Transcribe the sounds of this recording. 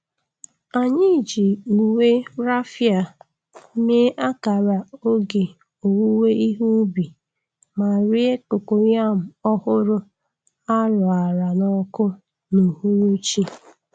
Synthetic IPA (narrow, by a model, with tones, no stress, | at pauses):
a˨ɲɪ˦˨d͡ʒi˨u˨we˦ɾa˦fja˨˦ | me˦ʔa˦ka˨ɾa˨o˦ɡe˨ | o˨wu˦we˦i˦ɦu˦bi˨ | ma˨ɾi˦e˦kʊ˨ko˨ɲa˦˨m̩˨ɔ˦hʊ˦ɾʊ˦ | a˦ɾʊ˨a˨ɾa˨nɔ˨kʊ˦ | nu˨hu˦ɾu˦t͡ʃi˦